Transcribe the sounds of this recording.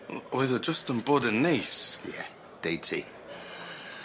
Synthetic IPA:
ɔɪðəd͡ʒʌstə̃nbʊdə̃nːiːˑsjɛ̰ | d̥eɪtʰḭ

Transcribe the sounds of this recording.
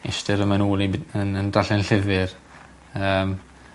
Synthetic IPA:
ɪstɪɾəmanuːlˠiənəndaɬɛnɬɪvɪr | əːm

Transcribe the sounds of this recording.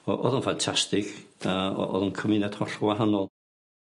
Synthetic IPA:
ɔʔɔðʊnfantʰastɪkaɔ̰ɔ̰ðʊnkʰəmɪnɛd̥hɔɬwaɦanɔlˠ

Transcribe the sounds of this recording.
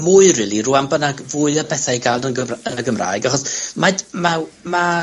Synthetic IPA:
mʊːɨrɪːlˠiruːambənaɡvʊːɨəbɛθajɡalˠnənɡəənəɡəmra̰ːɨɡaχɔsmadmama

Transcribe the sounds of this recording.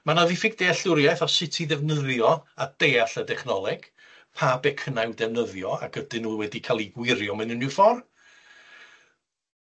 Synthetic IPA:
manaðifɪɡd̥eaɬʊɾjajθɔsɪtʰiðɛvnəðjɔad̥eːaɬədɛχnɔlˠɛɡ̥ | pʰabɛkʰənajwdɛvnəðjɔa̰ɡ̥ədɪnuːwɛdikʰalˠiɡwɪɾjɔmɪnənufɔr

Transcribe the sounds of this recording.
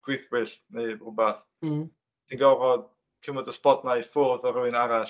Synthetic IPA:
ɡ̥wɪθbwɪɬnejrubaθ | tʰinɡɔrɔd | kʰɪmɔdəspɔdnajfʊrðɔɾuɪnaɾaʃ

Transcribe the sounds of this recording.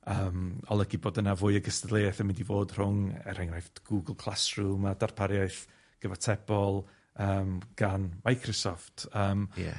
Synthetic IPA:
əːmɔlˠəɡiboːdənavʊːɨəɡəstədlˠeːɛθəmɪndivoːd̥r̥ʊŋɛ̰ɾɛŋrajftɡ̥uɡəlˠkʰlˠasrumadarpʰaɾjaɨθ | ɡ̥əvatʰɛb̥ɔlˠ | əːmɡ̥anmajkʰrɔsɔftʰəːmjɛ̰

